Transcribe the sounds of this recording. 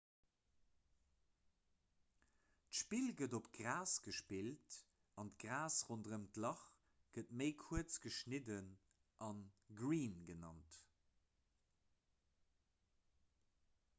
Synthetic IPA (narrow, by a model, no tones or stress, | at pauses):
tʃpilɡədopɡʁaːsɡ̥əʃpilt | ɑntɡʁaːsʁondəʁəmtlɑχ | ɡ̥ətməɪkʰuət͡sɡ̥əʃnidən | ʔɑnɡʁiːnɡənɑ̰nt